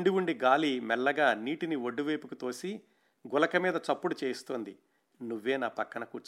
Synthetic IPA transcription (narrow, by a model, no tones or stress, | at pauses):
ɳɖiʋuɳɖiɡaːlimɛlːɐɡaːniːʈinioɖːuʋeːpukut̪o̞ːsi | ɡʊlɐkɐmiːd̪ɐt͡ʃɐpːuɽut͡ʃeːst̪oːnd̪i | nuʋːe̞ːnaːpɐkːɐɳɐkuːɾt͡ʃ